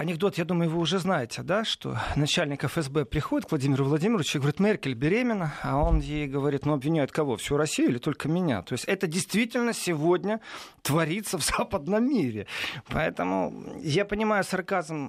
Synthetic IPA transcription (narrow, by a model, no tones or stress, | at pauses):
ɐnʲɪɡ̚d̪o̞t̪jad̪uməjʊvɨʊʐɛznajɪtʲɪd̪aʂt̪o̞̰nɐt͡ɕælʲnʲɪkəfɛzbɛpɾʲɪxodʲɪt̪kvlˠɐdʲimʲɪɾʊvlˠɐdʲimʲɪɾəɪt͡ɕʊɡəvɐɾʲit̪mʲɛrkʲɪlʲbʲɪɾʲemʲɪnəɐonjejɡəvɐɾʲit̪nuɐbvʲɪnʲæjʊt̪kɐvo̞fsʲuɾɐsʲijʊɪlʲɪt̪o̞lʲkəmʲɪnʲa̰t̪o̞ɪsʲtʲɛt̪ədʲɪjst̪vʲitʲɪlʲnəsʲɪvodʲnʲət̪vɐɾʲit̪səvzapəd̪nəmːʲiɾʲɪpɐɛt̪əmʊ̰japənʲɪmajʊsɐrkazəm